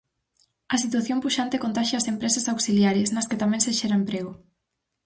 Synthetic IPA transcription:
ɐsit̪waθjompuʃant̪ekont̪aʃeasempɾesɐsawksiljaɾesnɐsket̪amɛ̃nseʃɛɾaempɾeɣ̞ʊ

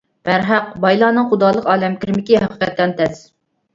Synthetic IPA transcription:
b̥æɾɦæqbɑjlˠɑːnɨŋχʊd̪ɑːlˠəqɑːlɛmkʲiɾɪmɪkʲiɦæqʰə̥qɛt̪ːɛnt̪ʰɛz̥

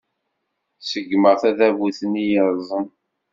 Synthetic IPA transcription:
səɡməʁθæðævuθənijəɾˤzˤən

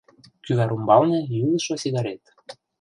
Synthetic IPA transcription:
kyβæɾumbɑlnĕjyðə̆ʃŏsiɣɑɾet̪

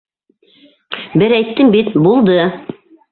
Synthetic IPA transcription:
bɘɾæjt̪ːɘmbit̪bulˠd̪ɤ

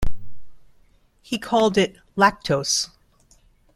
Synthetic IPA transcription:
hikʰɔlˠdɪt | læk̚tʰoʊs

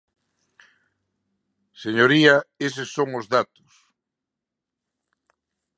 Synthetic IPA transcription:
seɲoɾiɐesesːoŋʊzðat̪ʊ̥s

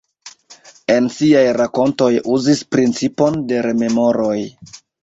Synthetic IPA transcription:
e̞nsiajɾako̞nto̞juzispɾint͡sipo̞nde̞ɾe̞me̞mo̞ɾo̞j

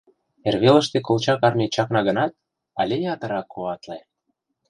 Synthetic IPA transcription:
erβelə̆ʃt̪ekolt͡ɕɑkɑrmet͡ɕɑknɑɣə̆nɑt̪̚ | ɑ̰lʲejɑt̪ə̆ɾɑkʰːoɑt̪le

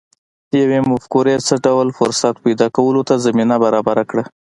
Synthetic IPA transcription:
d̪əjawemʊfkuɾesəɖawlfʊɾsat̪pajd̪ɑkawəlot̪azaminabaɾɑbaɾakɽa

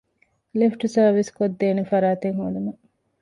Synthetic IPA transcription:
lifʈusɐɾʋiskod̪ːeːnefɐɾaːt̪eŋɦuːɖumɐ

